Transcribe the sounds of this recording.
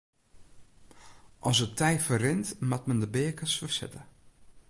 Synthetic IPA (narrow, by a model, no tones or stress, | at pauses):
ʔɔsətʰɛjfərɪntmat̚məndəbɪːəkəsfərsɪ̰tə